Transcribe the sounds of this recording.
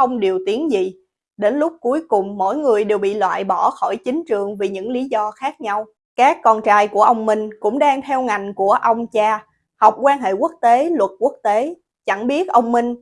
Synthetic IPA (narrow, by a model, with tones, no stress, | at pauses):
xə˧wŋ͡mɗi˨˩əwt̪i˨˦ənzi˨˩ | ɗe˨˦nlʊ˦˥k͡p̚ku˨˦jkʊ˨˩ŋ͡mːo̰˧˥jŋɨ˨˩əjɗe˨˩wɓḭ˧˨lwa̰ː˧˨jɓɔ˧˩xɔ˧˩jt͡ɕï˨˦ŋ̟t͡ɕɨ˨˩əŋvi˨˩ɲɨ̰˧˥ŋli˨˦zɔ˧xaː˦˥k̚ɲa˧w | kaː˦˥kːɔ˧nt͡ɕaː˧jku˧˩əʔə˧wŋ͡mmï˧ŋ̟kʊ̰˧˥ŋ͡mɗaː˧ŋt̪ʰɛ˧wŋa˨˩jŋ̟ku˧˩əʔə˧wŋ͡mt͡ɕaː˧ | ha˨˩wk͡p̚kwaː˧nɦḛ˧˨ku˦˥ək̚t̪e˨˦lwə˨˩t̚ku˦˥ək̚t̪e˨˦ | t͡ɕa˧˩ŋɓi˦˥ət̚ʔə˧wŋ͡mmï˧ŋ̟